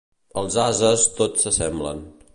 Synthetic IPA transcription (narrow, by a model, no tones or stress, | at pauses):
əlˠzazəst̪otsəsɛmblə̰n